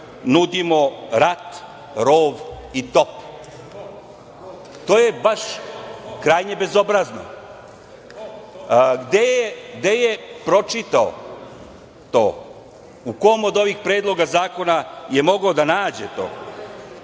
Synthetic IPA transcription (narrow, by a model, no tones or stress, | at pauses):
nud̪imo̞ɾat̪ | ɾoːʋ | it̪o̞p | t̪o̞ːjebaʃ | kɾaːjɲebe̞zo̞bɾazno̰ | ɡd̪ejeɡd̪e̞jepɾo̞t͡ʃit̪ao̰ | t̪o̰ː | uko̞mod̪o̞ʋixpɾeːd̪lˠo̞ɡazaːko̞najemo̞ɡod̪anaːd͡ʑet̪o̰ː